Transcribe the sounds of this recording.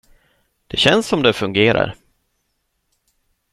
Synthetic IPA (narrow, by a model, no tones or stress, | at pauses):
d̪̥ɛɕɛnsɔmd̪ɛfɵŋɡeːɾa̰ɾ